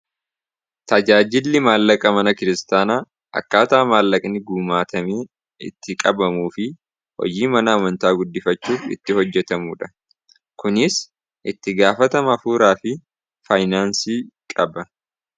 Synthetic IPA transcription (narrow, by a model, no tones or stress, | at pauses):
t̪ɐd͡ʒaːd͡ʒɪlːɪmaːlːɐkʼɐmɐnɐkɪɾɪst̪aːnaː | ʔɐ̰kːaːt̪aːmaːlːɐkʼnɪɡuːmaːt̪ɐmeː | ɪ̰t̪ːɪkʼɐbɐmuːfɪ | hɔ̰d͡ʒiːmɐnɐːmɐnt̪aːɡʊd̪ːɪfɐt͡ʃːuːfɪ̰t̪ːɪhɔd͡ʒːɛt̪ɐmuːᶑɐ̥ | kʊnɪs | ʔɪt̪ːɪɡaːfɐt̪ɐmɐɐfuːɾaːfɪ | fajnaːnsiːkʼɐbɐ